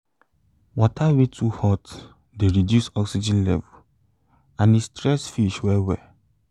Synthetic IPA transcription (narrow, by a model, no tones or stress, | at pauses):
wɔtʰawetʰuhɔt | deɹidjusɔksid͡ʒĩnlɛvu | ãnistɹɛsfiʃwɛwɛ